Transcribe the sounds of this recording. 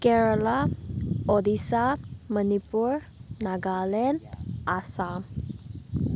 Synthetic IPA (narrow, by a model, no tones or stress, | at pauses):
kɛɹɔla | ɔd̪isamənipuɹ | naɡalɛnasa